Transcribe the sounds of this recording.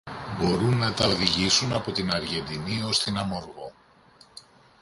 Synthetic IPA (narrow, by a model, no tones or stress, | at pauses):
bo̞ɾunːɐt̪ɐoðiʝisunɐpo̞t̪inɐɾʝe̞nd̪inio̞st̪inɐmoɾɣo̞